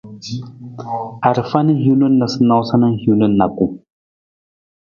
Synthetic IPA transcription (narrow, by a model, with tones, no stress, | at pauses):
a˨ɾfa˦ni˦hi˦lu˦nːa˨sə˦na˦wsa˦nə˦nhu˦lə˦nːa˨ku˦